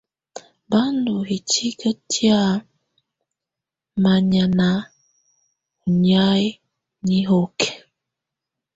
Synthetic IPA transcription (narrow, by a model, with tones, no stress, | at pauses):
ba˦ndu˨hi˨t͡ʃi˦kə˦tʰja˦ | ma˨ɲa˨na˨˦ | u˨ɲa˦j | ɲi˦ɦo˦k